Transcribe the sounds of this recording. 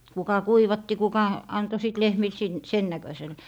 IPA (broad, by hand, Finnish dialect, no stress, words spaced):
kukɑ kuiʋɑtːi kukɑ ɑnto siˑt lehmil sin sen nækøsel